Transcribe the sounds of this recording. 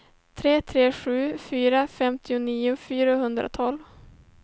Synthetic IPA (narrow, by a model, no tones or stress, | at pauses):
t̪ʰɾeːt̪ʰɾeːɧʉ̟ːfyːɾafɛmt̪ʰɪʊniːʊfyːɾaɦɵnd̪ɾa̰t̪ʰɔlv